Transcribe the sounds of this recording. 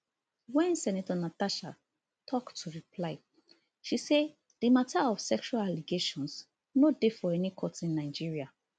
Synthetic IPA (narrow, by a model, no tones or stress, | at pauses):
wɛ̃nsɛnatɔnataʃa | tʰɔktʰːuɹipʰlaɪ | ʃise | d̥imataɔvsɛkʃualaliɡeʃɔ̃ns | nodefɔɛnikʰɔtĩnːaɪd͡ʒiɹia